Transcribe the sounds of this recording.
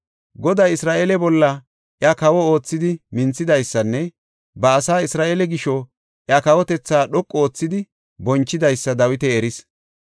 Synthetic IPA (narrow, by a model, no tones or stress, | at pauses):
ɡɔd̪ajɪsɾaːʔeːlɛbɔlːɐ | ʔjakɐwɔo̞ːt͡sːɪd̪ɪmɪnt͡sːɪd̪ɐjsːɐnːɛ | bɐːsaːɪsɾaːʔeːlɛɡɪʃɔ | ʔjakɐwɔt̪ɛt͡sːaːɗɔkʼːo̞ːt͡sːɪd̪ɪ | bɔnt͡ʃːɪd̪ɐjsːɐd̪ɐwɪt̪ɛːɾɪs